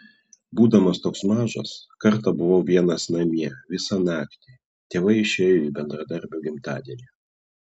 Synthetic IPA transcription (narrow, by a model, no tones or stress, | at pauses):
buːd̪ɐmɐst̪oːksmɑːʒɐ̰skɐɾt̪ɐbʊʋoːʋʲiɛnɐsnɐmʲiɛʋʲɪsɑnɑːkt̪ʲiː | t̪ʲeːʋɐɪɪʃʲeːjoiːbʲɛnd̪ɾɐd̪ɐɾʲbʲʊːɡʲɪmt̪ɑ̰ːd̪ʲiɛnʲi